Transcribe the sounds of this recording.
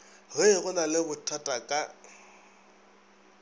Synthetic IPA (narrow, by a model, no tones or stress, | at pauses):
ɣɪɣʊnalɪbʊtʰatʼakʼa